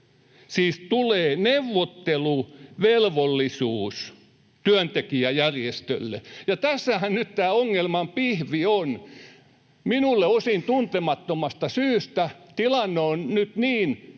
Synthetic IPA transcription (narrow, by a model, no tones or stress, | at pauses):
siːst̪uleːneʋːot̪ːeluʋelʋolːisuːs | t̪yænt̪ekiæjærjest̪ø̰lːḛjɑt̪æsːæhænnyt̪t̪æːoŋːelmɑmpihʋion | minulːeosint̪unt̪emɑt̪ːomɑst̪ɑsyːst̪æt̪ilɑnːeonnyt̪niːn